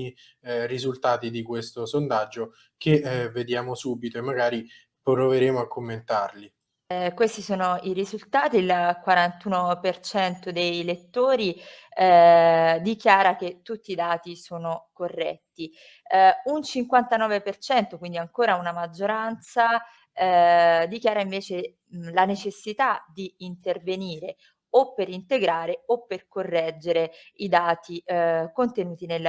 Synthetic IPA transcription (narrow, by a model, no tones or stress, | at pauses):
i | rizult̪aːt̪id̪ikwest̪osond̪ad͡ʒːo | keved̪jaːmosuːbit̪oemːaɡaːɾi | pɾoveɾeːmoakʰːomːent̪arli | kwest̪isoːnoiɾizult̪aːt̪iːlkwaɾant̪uːnopert͡ʃɛnt̪od̪ejlet̪ːoːɾi | d̪ikjaːɾaket̪ːut̪ːiːd̪aːt̪isoːnokorːɛt̪ːi | unt͡ʃiŋkwant̪anɔːvepert͡ʃɛnt̪okwind̪iaŋkoːɾaunamad͡ʒːoɾant̪sa | d̪ikjaːɾaiɱveːt͡ʃe | lanet͡ʃesːit̪ad̪iːnt̪erveniːɾe | opːeɾint̪eɡɾaːɾeopːerkorːɛd͡ʒːeɾeid̪aːt̪ikont̪enuːt̪inelː